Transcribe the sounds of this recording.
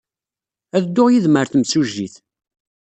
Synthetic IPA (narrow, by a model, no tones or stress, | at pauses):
æðd̪ːʊʁjiðməɾθmsuʒːiθ